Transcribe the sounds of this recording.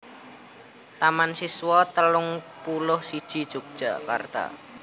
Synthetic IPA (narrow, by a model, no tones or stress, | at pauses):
t̪amansiswɔt̪əlʊŋpulʊhsid̥ʒ̥i̤d̥ʒ̥o̤k̚d̥ʒ̥a̤ka̰rd̪̥a̰